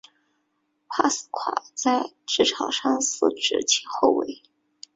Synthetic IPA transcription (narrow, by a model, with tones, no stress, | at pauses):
pʰa˥˩sɹ̩˥˩kʰwa̰˨˩t͡sa˥˧ɪ | ʈ͡ʂɻ̩˥˩ʈ͡ʂʰɑ˨˩ʊʂɑ˥˧ŋsɹ̩˥˩ʈ͡ʂɻ̩˧˩t͡ɕʰi˧˥xo˥˩ʊwe˧˥ɪ